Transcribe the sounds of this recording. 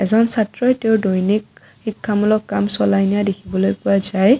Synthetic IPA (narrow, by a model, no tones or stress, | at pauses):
ɛzɔnsatɹɔteʊdojnik̚ | xikʰːamulɔkːamsɔlajnijadekʰibɔlojpʊazaj